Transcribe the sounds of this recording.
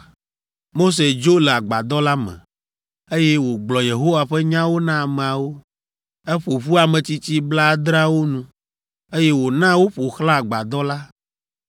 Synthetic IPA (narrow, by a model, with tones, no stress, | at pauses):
mo˦s̬e˨d͡ʒo˦le˨a˨ɡ͡ba˨d̪ɔ˦la˦mɛ̰̃˨ | e˦jɛ˦wo˨ɡ͡blɔ˨je˨ɦo˦wa˨ɸɛ˦ɲã˦wo˦nã˦a˨mẽ˨a˨wo˦ | ɛ˦ɸo˨ɸu˦a˨mɛ̃˨t͡ɕi˦t͡ɕi˦bla˦d̪ɾa˦wo˦nũ˦ | e˦jɛ˦wo˨nã˦wo˦ɸo˨xlã˦a˨ɡ͡ba˨d̪ɔ˦la˦